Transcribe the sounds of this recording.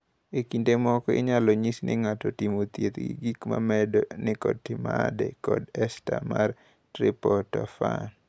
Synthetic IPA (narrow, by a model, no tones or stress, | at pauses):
ekindemɔkɔɪ̰ɲalɔɲisnɪŋatɔtimot̪jet̪ɡḭɡikma̰mɛdɔnɪkɔd̚tɪmadɛ̰kɔdɛstamar | tɾɪpɔtɔfan